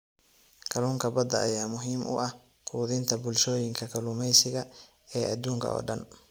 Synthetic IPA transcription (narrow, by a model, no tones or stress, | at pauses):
kʰɐluːŋkʰɐbɐd̪ɐʔːjaːmʊɦiːmʔʊ̰ʔɐh | qʰuːðɪnt̪ʰɐbʊlʃɔːjɪŋkʰɐkʰɐlʊmɛjsɪɣɐ | ɛːʔɐd̪uːŋkʰɐ̰ʔɔ̰ːɖɐn